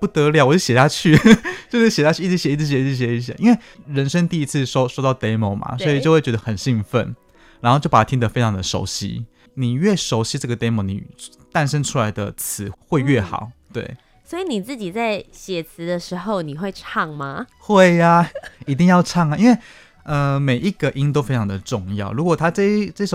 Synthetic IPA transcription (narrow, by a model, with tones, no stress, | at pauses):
pu˥˩t̪ə˧˦ljɑ˨˩˦wt͡ɕo˥˩ɕjɛ˨˩t̪ʰa˥t͡ɕʰy˥˩t͡ɕjʊʂɻ̩˥˩ɕɛ˨˩a˥t͡ɕʰy˥˨i˥˩ɻ̩˧ɕjɛ˨˦i˥˩t͡s̩ʰ˧˩ɕɛ˨˧˥ɕjɛ˨˧˩i˧˩ɕja̰˨˩˨ʔi˦˥nwe˥˧ɪɻə˧˦nʂə˥ŋt̪i˥˧i˧˥t͡sʰɹ̩ɨ˥˨ʂo˥ʊʂwo˥ʊt̪ɑ˥˩ʊt̪e˧˥ɪmo˨˩ʊma̰˩swɔ˧˥i˨t͡ɕjo˥˧xwe˥˩t͡ɕɛ˧˥ə˧xə˨˩nɕi˥˧ŋfə˥˨n | ɻa˧nxo˥˧t͡ɕjo˥˩pa˨˩a˧t̪ʰi˥ŋd̪ə˨fe˥ɪʈ͡ʂʰɑ˨˥ŋd̪ə˧ʂo̰˧˥ʊɕḭ˦ | ni˨˩ɥɛ˥˩ʂo˧˥ʊɕi˧˥ʈ͡ʂɤ˥˩ɡə˩t̪e˥ɪmo˧ʊnḭ˨˩ | t̪a˥˧nʂə˥nʈ͡ʂʰu˥la˧˥ɪd̪ə̰˧t͡sʰɹ̩˧˦xwe˥˧ɪɥɛ˥˩xɑ̰˨˩˦ʊt̪wḛ˥˩ɪ | swɔ˧˥i˧ni˨˩t͡sɹ̩˥˩t͡ɕi˨˩t͡sa˥˩ɪɕjɛ˨˩t͡sʰɹ̩˧˦d̪ə˧ʂɻ̩˧˥xo˥˧ʊni˨˩xwe˥˧ɪʈ͡ʂʰɑ˥˩ŋma˨xwe˥˩ɪa˩i˧˥t̪̬i˥˧ŋjɑ˥˧ʊʈ͡ʂʰɑ˥˩ŋa˩ʔi˦nwe˥˧ɪ | ə˧me˨˩ɪʔi˧˥ɡə˨ʔi˦˥ŋt̪̬o˥ʊfe˥ɪʈ͡ʂʰɑ˧˥ŋd̪ə˨ʈ͡ʂʊ˥˧ŋjɑ˥˩ʊɻu˧˥kwɔ˨˩t̪ʰa˥ʈ͡ʂɤ˥˧iʈ͡ʂə˥˧ʂ